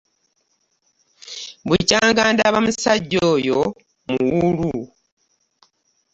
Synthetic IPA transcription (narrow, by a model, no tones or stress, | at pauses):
βucaːŋɡaːndaβamusaɟːoːjo | muwulu